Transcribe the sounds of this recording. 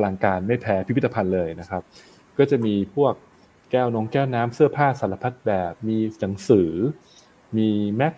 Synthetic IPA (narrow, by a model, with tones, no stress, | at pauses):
a˧la˧ŋkaː˧nma˥˩jpʰɛː˦˥pʰi˦˥˦t̪ːa˧pʰa˧nlɤː˧jna˦˥kʰɾa˦˥p̚ | kɔː˥˩t͡ɕa˨˩miː˧pʰu˥˩ək̚ː | ɛː˥˩wno˧˦˥ŋkɛː˥˩wnaː˦˥msɯ˥˩ɐpʰaː˥˩sa˨˩˦la˧pʰa˦˥t̪̚bɛː˨˩p̚miː˧na˩˦ŋsɯː˩˦ | miː˧mɛ˦˥k̚